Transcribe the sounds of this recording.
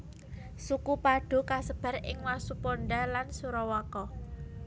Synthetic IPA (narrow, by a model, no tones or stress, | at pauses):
sukupaɖ̥o̤kasəb̥ä̤rɪŋwasupoɳɖalansuɾɔwakɔ